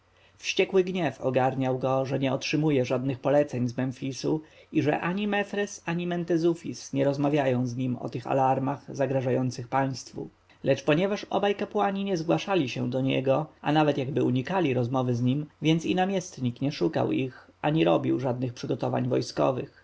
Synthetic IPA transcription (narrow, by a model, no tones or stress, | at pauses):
fɕt͡ɕɛkwɘɡɲɛfɔ̰ɡaɾɲawɡɔʐɛɲɛɔtʂɘmujɛʐad̪nɘxpɔlɛt̪sɛɲzmɛnfʲisuiʐɛ̰ʔaɲimɛfɾɛsaɲimɛnt̪ɛzufʲḭsɲɛɾɔzmavʲjajɔ̃w̃zɲimɔ̰t̪ɘxa̰laɾmaɣzaɡɾaʐajɔnt̪sɘxpaj̃st̪fṵ | lɛt͡ʂpɔɲɛvaʂɔ̰bajkapwaɲiɲɛzɡwaʂalʲiɕɛ̰d̪ɔɲɛ̰ɡɔʔanavɛt̪jaɡbɘuɲikalʲiɾɔzmɔvɘzɲimvʲjɛnt̪sinamʲjɛst̪ɲikɲɛʂuka̰wixʔaɲiɾɔbʲiwʐad̪nɘxpʂɘɡɔt̪ɔva̰ɲvɔ̰jskɔ̰vɘ̰x